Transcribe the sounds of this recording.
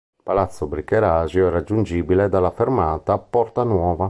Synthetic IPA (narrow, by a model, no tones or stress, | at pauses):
palat̪sːobɾikːɛɾaːzjoɛɾad͡ʒːund͡ʒiːbilɛd̪alːafeɾmaːt̪apɔɾt̪anwɔːva